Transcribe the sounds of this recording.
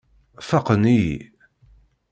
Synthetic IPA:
fɑqənijḭ

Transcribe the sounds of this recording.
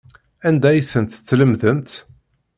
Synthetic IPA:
ænd̪æjθənt̪t͡sːləmðənt̪

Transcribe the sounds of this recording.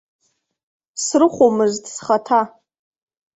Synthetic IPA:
srɨχʷomɨztʰʼsχatʰa

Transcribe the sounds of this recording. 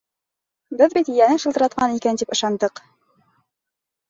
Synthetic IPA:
bɘðbit̪ijænɘʃɤ̆lˠt̪ɤ̆ɾɑt̪̚qɑnikænt̪ipɤ̆ʃɑnd̪ɤq

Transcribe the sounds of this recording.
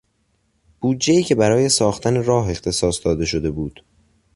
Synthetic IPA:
b̥uːdd͡ʒːeiːcʰe̞bæɾɒːje̞sɒːxt̪ʰæneɾɒːɦe̞xt̪ʰe̞sɒːsd̪ɒːd̪e̞ʃo̞d̪e̞buːd̪̥

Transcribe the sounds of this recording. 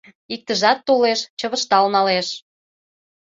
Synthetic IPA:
ik̚t̪əʒɑt̪ːoleʃt͡ɕə̆βə̆ʃt̪ɑlnɑleʃ

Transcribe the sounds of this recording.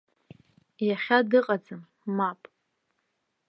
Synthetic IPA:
jaχʲadɨqʼad͡zɨmː | apʼ

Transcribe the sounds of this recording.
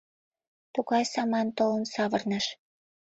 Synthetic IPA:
t̪uɣɑjsɑmɑnt̪olə̆nsɑβərnəʃ

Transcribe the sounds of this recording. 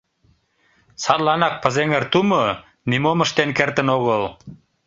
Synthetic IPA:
sɑt̪lɑnɑk̚pə̆zeŋərt̪umo | nimomə̆ʃt̪enkert̪ə̆noɣəl

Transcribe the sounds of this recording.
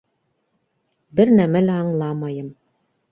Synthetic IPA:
bɘɾnæmælæɑɴlˠɑmɑjɤm

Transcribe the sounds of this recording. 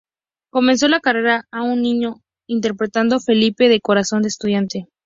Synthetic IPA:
ko̞mẽ̞ns̬o̞lakare̞ɾaːunːĩɲo̞ | int̪e̞ɾpɾe̞t̪and̪o̞fe̞lipe̞ðe̞ko̞ɾaso̞nd̪est̪uð̞jant̪e̞

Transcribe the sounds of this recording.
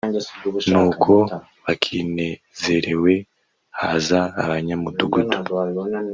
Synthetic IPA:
nuːkʰo̞ | βakʰine̞ | z̥e̞ɾe̞we̞ | ha̰za̰ːβaɲamuduɡutʰu̥

